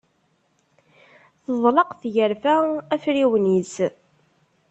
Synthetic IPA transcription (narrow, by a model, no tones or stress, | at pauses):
θəðˤlɑqθʝəɾfææfɾiwnis